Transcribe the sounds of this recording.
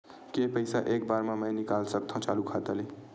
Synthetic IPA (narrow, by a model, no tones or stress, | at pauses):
kepəɪsaʔeːk̚baːɾmãməjnikaːlsəkt̪ʰõt͡ʃaːlukʰat̪əli